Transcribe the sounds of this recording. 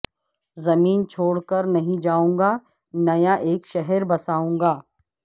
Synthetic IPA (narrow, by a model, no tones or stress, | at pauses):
zɐmiːnt͡ʃʰoːɽkɐɾnɐɦĩd͡ʒaːũːŋɡa | nɐjaʔeːkʃɛɦɛɾbɐsaːũːŋɡaː